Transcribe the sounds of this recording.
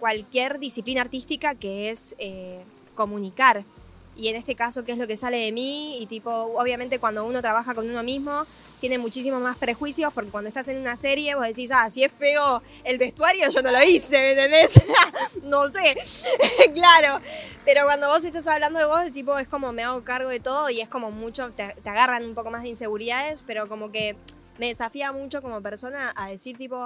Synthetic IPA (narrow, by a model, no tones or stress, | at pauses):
kwalkjeɾðisiplinaːɾt̪ist̪ikake̞ese | ko̞mũnikaɾ | ie̞ne̞st̪e̞kaso̞keezlo̞ke̞sale̞ðe̞miːt̪ipo̞oβ̞jament̪ekwand̪o̞uno̞t̪ɾaβaxako̞nuno̞mizmo̞ | t̪je̞ne̞mut͡ʃis̬imo̞zmaspɾe̞xwisjo̞poɾkekwand̪oet̪ase̞nunaseɾje̞βo̞zðes̬is̬asie̞sfe̞o̞ | elβe̞st̪waɾjo̞ʒono̞loise̞βenenesanose | klaɾo̞pe̞ɾo̞kwand̪o̞βo̞s̬e̞st̪as̬aβland̪oðe̞βo̞zðet̪ip̬o̞e̞sko̞mo̞me̞aɣo̞kaɾɣo̞ðe̞t̪o̞ðo̞ie̞sko̞mo̞mut͡ʃo̞t̪et̪eaɣaranumpo̞ko̞mazðeinse̞ɣuɾiðaðe̞spe̞ɾo̞ko̞mo̞ke̞ | me̞ðe̞safiamut͡ʃo̞ko̞mo̞pe̞ɾso̞naːðe̞siɾt̪ipo̞